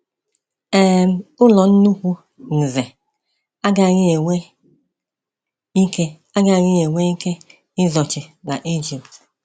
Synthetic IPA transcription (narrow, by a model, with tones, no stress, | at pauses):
e˦m̩˦ʊ˦lɔ˨n̩˦nu˦kʷu˦ | n̩˨ze˨ | a˦ɡa˦˨ɲɪ˦e˨ŋʷe˦ | i˦ke˦ | a˦ɡa˦˨ɲɪ˦e˨ŋʷe˦i˦ke˦ | ɪ˦zɔ˨t͡ʃɪ˨na˨ʔi˦d͡ʒi˨pt